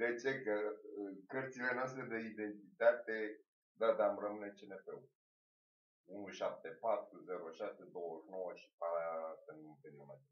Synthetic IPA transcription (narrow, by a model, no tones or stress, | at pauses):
d̪e̞t͡ʃe̞kəkərt̪sile̞noast̪ɾed̪e̞id̪e̞nt̪it̪at̪e̞ | d̪ad̪amrəmɨne̞t͡ʃenefew | unuʃap̚t̪e̞pat̪ɾuze̞ɾoəʃase̞d̪o̞wʒno̞wəʃi̥pasənumpenomat̪e